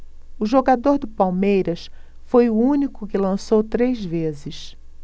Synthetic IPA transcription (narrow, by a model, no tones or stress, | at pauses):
ʊʒoɡad̪oɾd̪ʊpawmejɾɐs | fojʊũnikʊkɪlɐ̃sowt̪ɾezvezɪs